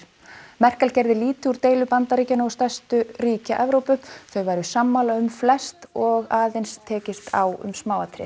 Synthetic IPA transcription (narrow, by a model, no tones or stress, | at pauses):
mɛr̥kalcɛɾðɪliːt̪ɪuɾt̪eːjlʏpant̪aɾiːcanaɔst̪ɛst̪ʏɾiːcaʔɛvɾoːwpʏθœɥvajɾʏsamːaːlaʏmflɛst̪ɔɣaːðejnst̪ʰɛːcɪst̪ʰa̰wʏ̰msmaːwat̪ʰɾɪ̰